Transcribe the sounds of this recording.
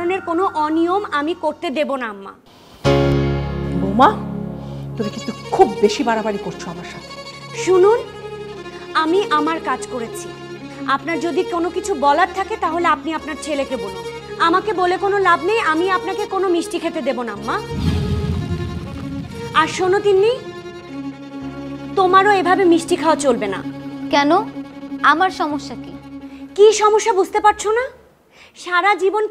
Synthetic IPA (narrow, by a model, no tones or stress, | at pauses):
oneɾkonoʔɔniomamikoɾt̪ed̪ebonaamːa̰ | moma | t̪omikĩnt̪ukʰubːeʃibaɽabaɽikoɾt͡ɕʰoamaɾʃat̪ʰe̥ʃunun | amiʔamaɾkad͡ʑkoɾet͡ɕʰi | apnaɾd͡ʑod̪ikonokit͡ɕʰubɔlaɾt̪ʰaket̪aɦoleapniapnaɾt͡ɕʰelekebolun | amakebolekonolabnejamiapnakekonomiʃʈikʰet̪ed̪ebonamːa | aɾʃonot̪inːi | t̪omaɾoebʱabemiʃʈikʰaoat͡ɕolbena̰kɛnoamaɾʃɔmoʃːakikiʃɔmoʃːabud͡ʑʱt̪epaɾ̚t͡ɕʰona | ʃaɾad͡ʑibon